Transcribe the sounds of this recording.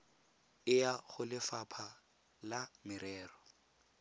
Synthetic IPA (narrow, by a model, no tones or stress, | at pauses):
ɪjaχʊlɪfapʰa | lamɪɾɛːrɔ